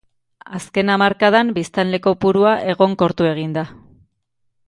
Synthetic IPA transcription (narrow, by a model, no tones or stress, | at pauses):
aske̞namaɾkaðambist̪anle̞ko̞puɾuaʔe̞ɣo̞ŋko̞ɾt̪ue̞ɣ̞ind̪a